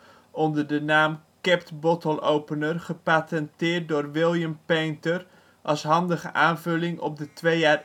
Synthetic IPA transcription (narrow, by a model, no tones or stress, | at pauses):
ɔndəɹdənaːm | kɛptbɔtəlˠowpənərχəpatɛntɪːɹt̚dʊːɹʋɪlˠjəmpejntər | ʔɑsɦɑndəχə̰ʔaːnvɵlɪŋɔ̰b̚dətʋejaːr